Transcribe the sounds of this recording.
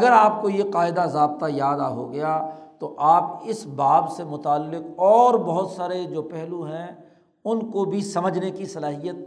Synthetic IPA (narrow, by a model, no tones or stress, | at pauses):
ɐɡəɾaːp̚kojeqaːɪd̪azaːb̚t̪ajaːd̪aɦo̰ɡɐjat̪oʔaːp̚ɪsbaːbsemʊt̪aːlːɪqɔːɾbɐɦʊt̪saːɾed͡ʒoːpɛɦluɦɛ̃ | ʊnkobʱisɐməd͡ʒnekisɐlaːɦijət̪̚